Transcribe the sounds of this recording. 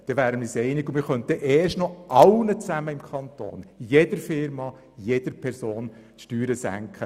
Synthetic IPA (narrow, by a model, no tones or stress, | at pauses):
d̥ɛvæːɾəmɪsɛɪnɪɡʊmɪɾχœnt̪əʔeːɾʃtnɔʔɑlnət͡sæməɪmkʰɑnt̪o̰ːnjedəɾfɪɾmɑ | jed̥əɾpʰɛɾsoːn | ʃtyːɾəsæ̰ŋkʰχə